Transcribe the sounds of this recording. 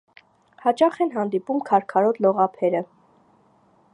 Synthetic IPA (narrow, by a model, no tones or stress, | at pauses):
hɑt͡ʃɑχɛnɦɑnd̪ipumkʰɑɾkʰɑɾɔt̪lɔʁɑpʰɛɾə